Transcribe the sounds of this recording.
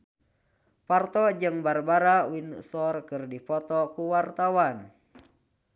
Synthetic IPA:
part̪ɔd͡ʒɨŋbarbaɾawinsɔrkɨrdipɔt̪ɔkuwart̪awan

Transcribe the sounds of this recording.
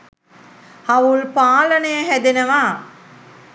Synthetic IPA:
hɐʋuɭpaːlɐnejɐɦæd̪inɐʋaː

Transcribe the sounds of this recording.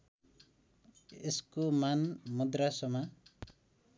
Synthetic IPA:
eskumanmud̪ɾasɔma

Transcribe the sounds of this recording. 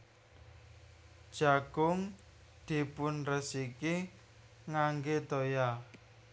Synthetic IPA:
d̥ʒ̥a̤ɡ̥ʊŋ | d̪̥i̤pʊnrəsiki | ŋaŋɡet̪oja

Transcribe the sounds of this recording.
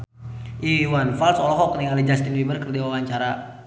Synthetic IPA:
ʔiwanfalsɔlɔɦɔkniŋalid͡ʒast̪inwibərkərdiwawaɲt͡ʃaɾa

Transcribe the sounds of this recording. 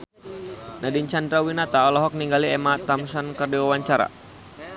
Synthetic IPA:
nadint͡ʃandɾawinat̪aɔlɔɦɔk̚niŋɡaliɛmat̪amsɔnkərdiwawaɲt͡ʃaɾa̰

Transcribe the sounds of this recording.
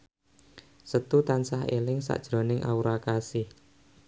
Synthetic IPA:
sət̪ut̪ansaɦelɪŋsa̰ʔd̥ʒ̥ɾo̤nɪŋʔa̰uɾakasɪh

